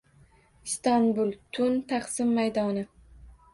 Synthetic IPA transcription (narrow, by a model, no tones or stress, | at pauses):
st̪ɒnbʊlˠt̪ʰʊnt̪ʰaχsɪmːajd̪ɒnɪ